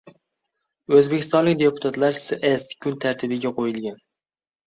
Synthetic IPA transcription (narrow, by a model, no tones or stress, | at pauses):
ɵzbekʲʰɪst̪ɒnlɪkʲd̪e̞pʰʊ̥t̪ʰat̪laɾsʔeskʰʲʊnt̪ʰaɾt̪ʰɪbɪɡʲaqʰojɪlɡʲan